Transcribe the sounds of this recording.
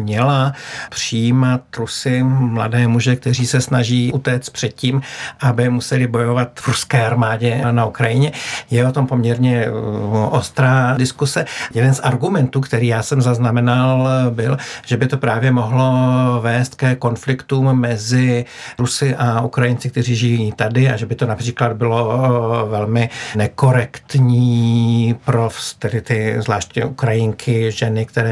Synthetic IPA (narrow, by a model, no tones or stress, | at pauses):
mɲɛlapr̝̥ɪjiːmat̪ɾusɪmla̰dɛːmuʒɛk̚t̪ɛr̝iːsɛsnaʒiːʔut̪ɛːt͡st̪̚pr̥ɛt̪̚ciːmʔabɪmusɛlɪbo̞jo̞vat̪vɾuskɛːʔaɾmaːɟɛnaukɾajɪɲɛjɛo̞t̪o̞mpo̞mɲɛɾɲɛ | ʔost̪ɾaːdɪskusɛjɛdɛnsʔaɾɡumɛnt̪uːkt̪ɛɾiːjaːsɛmzaznamɛnalbɪlʒ̥ɛbɪt̪o̞pɾaːvjɛmoɦlo̞vɛːst̪̚kɛko̞nflɪkt̪uːmːɛzɪ | ɾusɪʔaʔukɾajɪnt͡sɪkt̪ɛriːʒɪjjiːt̪adɪaʒɛbɪt̪o̞napr̥iːklad̪̚bɪlo̞vɛlmɪnɛko̞ɾɛkt̪ɲiː | pɾofst̪ɛdɪt̪ɪvzvlaːʃcɲɛ̰ʔukɾajɪŋkʰɪʒɛnɪk̚t̪ɛɾɛː